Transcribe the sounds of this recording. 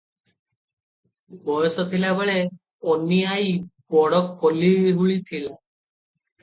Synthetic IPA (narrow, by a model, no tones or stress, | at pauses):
bɔjɔsɔt̪ʰilabaɭɛ | ɔnijajbɔɽɔkːɔliɦuɭit̪ʰila